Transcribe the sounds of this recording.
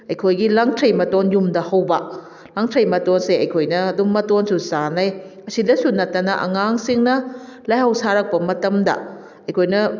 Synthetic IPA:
ɐjkʰojɡilaŋtʰɾejmɐtonjumdɐhɐwbɐ | laŋtʰɾɐjmɐtonseɐjkʰojnɐːdumːɐtonsusanɐj | ɐsidɐsunɐtːɐnɐʔɐ̰ŋaŋsiŋnɐlajhɐwsaɾɐk̚pɐmɐtɐmdɐ̰ | ɐjkʰojnɐ

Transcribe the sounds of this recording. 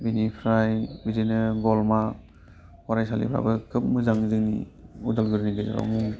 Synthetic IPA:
binipʰɾajbizinɯɡɔlma | kɔɾajsalḭpʰɾa̰bɯkʰɯp̚mɯzaŋzɯŋnḭudalɡɯɾniɡɯzɯɾa̰wmuŋ

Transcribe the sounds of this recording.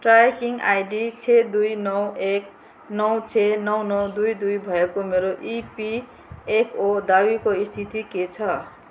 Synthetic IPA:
ʈrakiŋajɖit͡sʰed̪ujnʌwek | nʌwt͡sʰenʌwnʌwd̪ujd̪ujbʱʌekomeɾoʔipi | ekʰod̪abikoist̪ʰit̪iket͡sʰʌ

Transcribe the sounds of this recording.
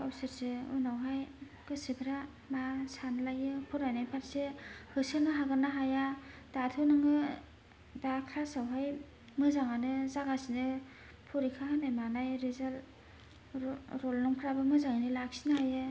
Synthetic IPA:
ɔwsɯɾseṵnawɦaj | ɡɯsibʰɾa | masanlajɯpʰɯɾajnajpʰaɾsehɯsɯnɯɦaɡɯnaɦajadatʰɯnɯŋɯ | dakʰɾasawɦaj | mɯzaŋanɯzaɡasinɯ | pʰuɾikʰahanajmanajɾizal | ɾɔlnɔŋpʰɾabɯmɯzaŋanɯlak̚sinɯhajɯ

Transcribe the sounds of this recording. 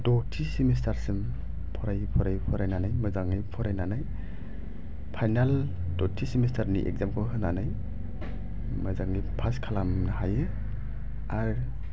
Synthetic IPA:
dɔtʰisimis̬tʰaɾsɯm | pʰɔɾajpʰɔɾajpʰɔɾajnanajmɯzaŋijpʰɔɾajnanaj | pʰajnal | dɔtʰisimistʰaɾnḭʔḛk̚zamkʰɯɦɯnanaj | mɯzaŋipʰaskʰalamnahajɯ | aɾ

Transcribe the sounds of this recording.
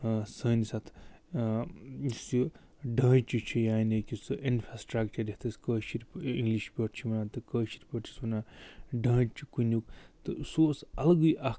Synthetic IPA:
səːnisɐt̪ʰ | isu | ɖɐ̃ːt͡ʃit͡ʃʰijaːnekʲisɨʔinfɾasʈɾakt͡ʃɐɾd̪ʲiht̪ʰɐskəːʃiɾʲpiŋɡliʃpʲɐʈt͡ʃʰiʋɐnaːt̪ɨkəːʃiɾʲpʲəʈt͡ʃʰi̥sʋɐnaːɖɐːt͡ʃʰikunukt̪ɨsoːsɐlɐɡɨjʔɐ

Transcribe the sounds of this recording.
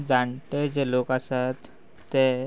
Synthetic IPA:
d͡zãɳʈed͡ʑeloːkasat̪ː | e

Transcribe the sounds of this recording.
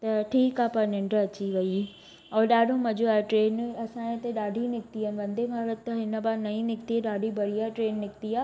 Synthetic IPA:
t̪ɐʈʰiːkaːpɐɾnɪ̃ɳɖɾəɐt͡ɕiʋɐi | ɔːɗaːɖʱõmɐd͡ʑoaʈɾeːnɐsãẽt̪eɗaːɖʱinɪkt̪iɐn̆ʋɐ̃nd̪ʱebʱaːɾət̪t̪ːɐɦɪnə̆baːnɐĩnɪkt̪ieɗaːɖʱibʱɐɽijaʈɾeːnːɪkt̪iaː

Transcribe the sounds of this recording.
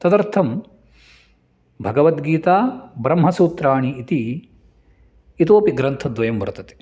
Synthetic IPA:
t̪ɐt̪ɐɾt̪ʰɐm | bʱɐɡɐʋɐt̪ɡiːt̪aːbɾɐmɦɐsuːt̪ɾaːɳiːt̪i | t̪oːpiɡɾɐnt̪ʰɐd̪ʋɐjɐmʋɐɾɐt̪ɐt̪i̥

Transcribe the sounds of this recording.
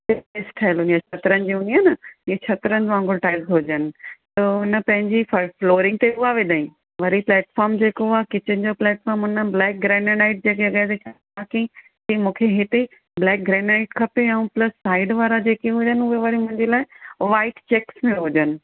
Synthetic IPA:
eɪsʈʰaːɪlɦʊ̃nijat͡ɕʰɐt̪ɾənɪ̆d͡ʑiɦʊ̃niaːnɐiet͡ɕʰɐt̪ɾənɪd͡ʑãːŋɡʊlʈaːɪzɦod͡ʑənɪ̆t̪ɐʊnə̆pɐ̃ɦɪ̃ɲd͡ʑiffloːɾɪ̃ŋɡ̚t̪eʊɦaʋed̪aːĩ | ʋɐɾiplɛːʈfɔːɾmd͡ʑeːkoakɪt͡ɕɪnɪd͡ʑoplɛːʈfɔːɾmʊnəblɛːk̚ɡɾẽːnenaːɪʈ̚d͡ʑekeɐɠat̪et͡ɕʰa | aːkĩ | t̪imũːkʰeɦɪt̪e | blɛːk̚ɡɾɛ̃ːnaːɪʈkʰɐpeɛ̃ũplɐsːaːɪɖʋaːɾad͡ʑeːkeɦʊd͡ʑənɪ̆ʊɦeʋɐɾimʊ̃ɦɪ̃ɲd͡ʑelaːɪʋaːɪʈt͡ɕeːksmẽɦʊd͡ʑənɪ̆

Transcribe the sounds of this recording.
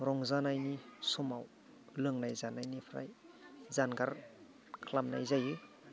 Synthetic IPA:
ɾɔŋzanajnisumaw | lɯŋnajzanajnipʰɾa̰jzanɡaɾ | kʰlamna̰jzajɯ

